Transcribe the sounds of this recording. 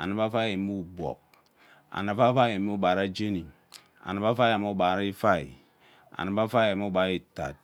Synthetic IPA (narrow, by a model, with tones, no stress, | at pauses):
a̰˨na˨˦ba˦fa˦e˨mi˦u˨bɔ̰˨k̚ | a̰˨na˨fa˦fa˦i˨e˨mi˦u˦ba˨ɾa˦d͡ʒe˦ni˨ | a̰˨na˦ba˦fa˦ja˨m˦u˦ba˨ɾa˦i˦fa˦˨ḭ˨ | a̰˨na˨˦ba˦fa˦je˨mi˦ba˨ɾi˦ta̰˨t̚